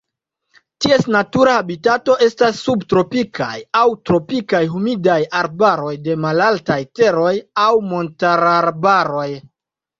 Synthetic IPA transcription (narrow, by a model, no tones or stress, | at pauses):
tie̞snatuɾahabitato̞ʔe̞stasːubtɾo̞pikʰa̰jawtɾo̞pikajɦumidajaɾbaɾo̞jde̞malaltajte̞ɾo̞jawmo̞ntaɾaɾbaɾo̞j